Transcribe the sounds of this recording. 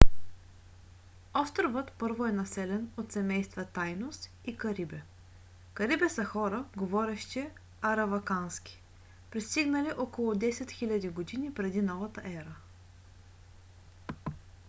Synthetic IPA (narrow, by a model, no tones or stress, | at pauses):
ɔft̪ɾvɤt̪pɤɾvoɛnɐsɛlɛnot̪sɛmɛjst̪vɐt̪ajnost̪ | ikɐɾibɛ | kɐɾibɛsɐxɔɾəɡovɔɾɛʃt̪ɛ | ɐɾɐvɐkansk̟ʲi̥ | pɾist̪iɡnɐliʔɔkolˠʊd̪ɛsɛt̪xilʲɐd̪iɡod̪inipɾɛd̪inɔvɐt̪əʔɛɾə